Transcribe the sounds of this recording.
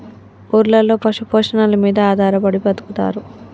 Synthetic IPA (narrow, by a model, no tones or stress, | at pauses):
uːɾlɐlo̞ːpɐʂupoːʂɐnɐlɐmiːd̪ɐaːd̪ʱaːɾɐpɐɽipɐt̪u̥kut̪a̰ːɾu